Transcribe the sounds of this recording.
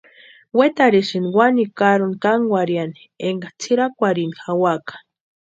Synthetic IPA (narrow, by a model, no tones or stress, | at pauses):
wet̪aɾiʃiniwanikaɾunkaŋɡʷwaɾjani | eŋɡat͡sʰiɾakʷaɾinixawakḁ